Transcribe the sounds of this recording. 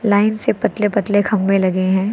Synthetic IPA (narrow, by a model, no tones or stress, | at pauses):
laːɪnsepɐt̪lepɐt̪lekʰɐ̃mbẽlɐɡeɦɛ̃ː